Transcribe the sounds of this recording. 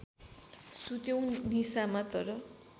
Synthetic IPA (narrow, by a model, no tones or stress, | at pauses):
sut̪jew̃nisamat̪ʌɾʌ